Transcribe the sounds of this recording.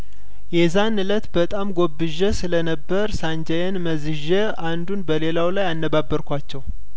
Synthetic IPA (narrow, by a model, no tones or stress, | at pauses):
jɛzanɨlət̪bət̪ʼamɡo̞bːɨʒəsɨlənəbːəɾsand͡ʒəjɛnməzɨʒe | and̪unbəle̞lawlajanːəbabːəɾkʷat͡ʃːɛw